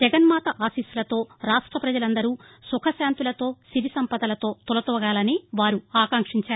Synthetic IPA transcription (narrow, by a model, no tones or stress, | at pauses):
d͡ʒɛɡɐnmaːt̪ɐʔaːsiːsulɐt̪o̞ːɾaːʂʈɾɐpɾɐd͡ʒɐlɐnd̪ɐɾuː | sukʰɐʃaːnt̪ulɐt̪o̞ːsiɾisɐmpɐd̪ɐlɐt̪o̞ːt̪ulɐt̪ɔːɐɡaːlɐniʋaːɾuaːkaːŋkʂiɲt͡ʃaːɾu